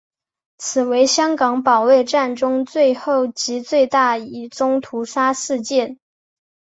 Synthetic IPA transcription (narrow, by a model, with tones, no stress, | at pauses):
t͡sʰɹ̩˨˩we˧˥ɪɕjɑ˥ŋkɑ˧˥ŋpɑ˨˩ʊwe˥˧ɪʈ͡ʂa˥˩nʈ͡ʂʊ˥ŋt͡swe˥˧ɪxo˥˩ʊt͡ɕi˧˥t͡swe˥˧ɪt̪a˥˩i˨˩ʈ͡ʂʊ˥ŋt̪ʰu˧˥ʂa˥ʂɻ̩˥˧t͡ɕjɛ˥˩n